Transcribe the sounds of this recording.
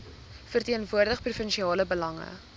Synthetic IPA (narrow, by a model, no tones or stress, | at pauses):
fərtiənvuərdəχprufənʃiɑːləbəlɐŋə̰